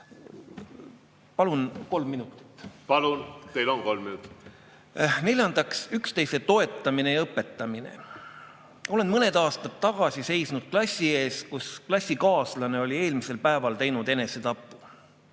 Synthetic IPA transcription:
pɑlunko̞lmːinut̪ːˑi̥t̪ˑːpɑlunt̪ejlonko̞lmminut̪ːˑi̥t̪ː | ne̞lʲjɑnd̪̥ɑksykst̪e̞jse̞t̪o̞e̞t̪ːˑɑmine̞jɤpːˑe̞t̪ˑːɑminḛ | o̞le̞nmɤned̪ɑːst̪ɑt̪ːɑɡ̥ɑsise̞jsnud̪̥̚klɑsʲːie̞ːskusklɑsʲːikɑːslɑne̞o̞lʲie̞ːlmise̞lpæevɑlt̪e̞jnud̪̥e̞ne̞se̞t̪ɑpːu

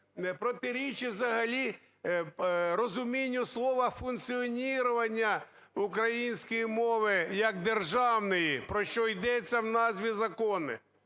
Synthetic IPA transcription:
nɛpɾɔt̪ɪɾʲit͡ʃiwzɐɦɐlʲi | ɾɔzʊmʲinʲːʊslˠɔʋɐfunkt͡sʲiɔnʲiɾʊʋɐnʲːɐ | ukɾɐjinʲsʲkɔjimɔʋɪjɐɡ̚d̪erʒɑwnɪjipɾɔʃt͡ʃɔjd̪ɛt͡sʲːɐwnɑzʲʋʲizɐkɔnɪ̰

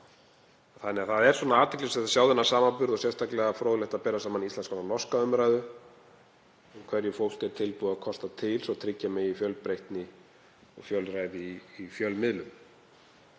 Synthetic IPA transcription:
θanːɪaθaðɛɾsvɔnaaːt̪ʰɛklɪsɛðasjaːwðʏnːḁsaːmapʏɾðɔsjɛst̪ʰaklɛɣafɾoːɣlɛht̪apɛːɾasaːmaniislɛnskʰɔnalɔskaʏmɾajðʏ | ʏmkʰv̥ɛɾjɪfowl̥kɛt̪ʰɪlpuðaðkʰɔst̪at̪ʰɪlsɔt̪ʰɾɪcːamɛifjœlpɾejht̪nɪ | ɔ̰ɣfjœlɾaːjðɪiːfjœlmɪðlʏm

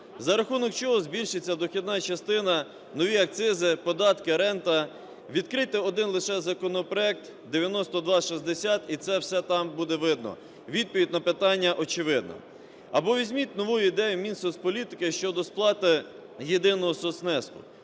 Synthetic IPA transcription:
zɐɾɐxunɔk̚t͡ʃɔɦɔzbʲilʲʃɪt͡sʲːɐd̪ɔxʲid̪̚nɑt͡ʃɐst̪ɪnɐ | nɔʋʲiɐk̚t̪sɪzɪpɔd̪ɑt̪kɪɾɛnt̪ɐ | ʋʲid̪kɾɪt̪ɪɔd̪ɪnlˠɪʃɛzɐkɔnɔpɾɔɛk̚t̪ | d̪eʋʲjɐnɔst̪ɔd̪ʋɑʃizd̪esʲat̪it̪sɛwsɛt̪ɑmbud̪ɛʋɪd̪nɔ̰ | ʋʲid̪̚pɔʋʲidʲnɐpɪt̪ɑnʲːɐʔɔt͡ʃɪʋɪd̪̚nɔ̰ | ɐbɔʋʲizʲmʲit̪̚ʲnɔʋujʊid̪ɛjʊmʲinsɔspɔlʲit̪ɪ̥kɪʃt͡ʃɔd̪ɔsplˠɑt̪ɪ | jed̪ɪnɔɦɔsɔsnɛsk̪ʊ̰

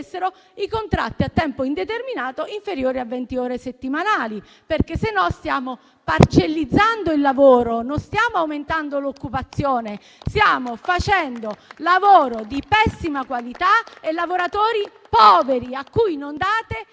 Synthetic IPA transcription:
sːeɾo | ikont̪ɾa̰t̪ːiat̪ːɛmpoind̪et̪erminaːt̪oiɱfeɾjoːɾiavːɛnt̪ioːɾeset̪ːimanaːli | perkesːenːɔst̪jaːmo | part͡ʃelːid̪zːand̪oilːavoːɾononst̪jaːmoawment̪and̪olokːupat̪sːjoːne | st̪jaːmofat͡ʃɛnd̪olavoːɾod̪ipɛsːimakwalit̪aelːavoɾat̪oːɾi | pɔːveɾiakːujnond̪aːt̪e

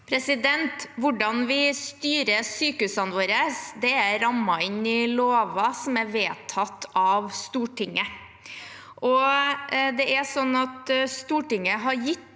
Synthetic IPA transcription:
pʰɾɛsɪd̪ɛnt̪ʋʊɖɑnʋɪst̪yːɾəsyːkəʉsənʋoːɾəsd̪ɛæɾɑmːɑɪnɪloːʋɑsɔmæɾʋeːt̪ʰɑt̪ʰːɑʋst̪uːʈʰɪŋːə | ʔɔ | d̪ɛʔæsɔnːɑt̪st̪uːʈɪŋːəɦɑɾjɪt̪ː

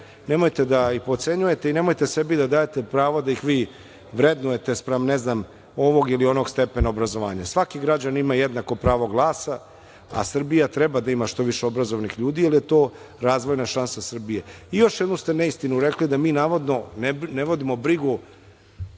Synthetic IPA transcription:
ne̞mojt̪e̞d̪aipo̞t̪se̞ɲuje̞t̪e̞ine̞mo̞jt̪e̞se̞bid̪ad̪aːjet̪e̞pɾaːʋod̪aixʋiː | ʋɾe̞d̪nuje̞t̪e̞spɾamneznam | o̞ʋo̞ɡilio̞noɡst̪e̞pe̞naobɾazo̞ʋa̰ːɲasʋakiɡɾad͡ʑanimajed̪nako̞pɾaːʋo̞ɡlˠaːsa | a̰sr̩bijat̪ɾebad̪aimaʃt̪o̞ʋiʃeobɾazo̞ʋnixʎuːd̪ialije̞t̪oː | ɾaːzʋo̞jnaʃansasr̩bijeijo̞ʃjed̪nust̪eneist̪inuɾe̞klid̪amiːnaːʋo̞d̪no̞nneʋo̞d̪imo̞bɾiɡu

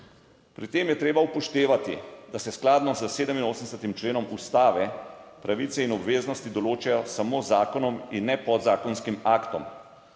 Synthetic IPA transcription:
pɾit̪eːmjɛt̪ɾeːbaupɔʃt̪eːʋat̪ḭd̪asɛsklaːd̪nɔzəseːd̪əminoːsənsət̪imt͡ʃleːnɔmust̪aːʋɛpɾaʋit̪sɛinɔbʋeːznɔst̪id̪ɔloːt͡ʃɛjɔsamoːzaːkɔnɔminːɛpɔd̪zaːkɔnskimaːkt̪ɔ̰m

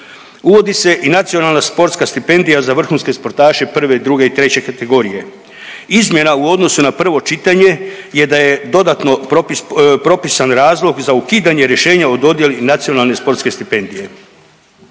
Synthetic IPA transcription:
uʋo̞d̪ise̞ʔinat̪sio̞nalnaspo̞ɾt̪skast̪ipe̞nd̪ijazaʋr̩xunske̞spo̞ɾt̪aːʃe̞pr̩ʋe̞d̪ɾuɡe̞it̪ɾe̞t͡ɕe̞kat̪e̞ɡo̞ɾije̞ | izmʲje̞nauo̞d̪no̞sunapr̩ʋo̞t͡ʃit̪aɲe̞je̞d̪aje̞d̪o̞d̪at̪no̞opipɾo̞pisanɾaːzlˠo̞ɡzaukiːd̪aɲeɾje̞ʃe̞ːɲaod̪o̞d̪je̞linat̪sio̞nalnespo̞ɾt̪ske̞st̪ipe̞nd̪ije̞

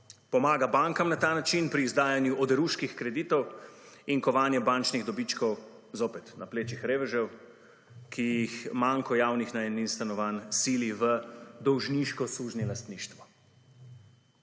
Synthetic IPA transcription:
pɔmaːɡabaŋkamnat̪aːnat͡ʃinpɾiːzd̪aːjanjuʔɔd̪ɛɾuːʃkixkɾɛd̪iːt̪ɔwiŋkɔʋaːnjɛbant͡ʃniɣd̪ɔbit͡ʃkɔw | zoːpɛt̪napleːt͡ʃixɾeːʋɛʒɛw | kʰijixmaŋkɔjaːwnixnaɛninst̪anɔʋansiːliʋəd̪ɔwʒniʃkɔsuːʒnilast̪niːʃt̪ʋɔ

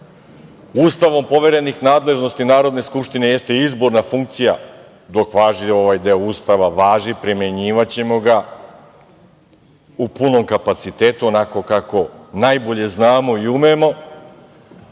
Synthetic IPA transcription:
uːst̪aʋo̞mpo̞ʋe̞ɾe̞nixnaːd̪le̞ʒno̞st̪inaːɾo̞d̪ne̞skupʃt̪ine̞je̞st̪e̞izbo̞ɾnafuŋkt̪sija | d̪o̞kʋaːʒio̞ʋajd̪e̞ouːst̪aʋaʋaːʒipɾimeɲiːʋat͡ɕe̞moɡa | upuno̞mkapat̪sit̪e̞ːt̪uo̞nako̞kako̞najbo̞ʎe̞znaːmo̞iumemo̞

